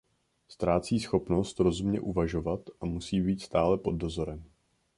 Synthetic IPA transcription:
st̪ɾaːt͡siːsxo̞pno̞st̪ɾo̞zumɲɛʔuvaʒo̞vat̪ʔamusiːbiːt̪st̪aːlɛpo̞d̚ːo̞zo̞ɾɛm

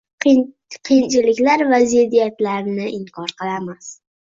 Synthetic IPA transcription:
qʰijnt͡ʃʰɪlɪkʲlaɾvazid̪ijat̪laɾnɪʔɪŋkʰɒɾqɨlˠamas

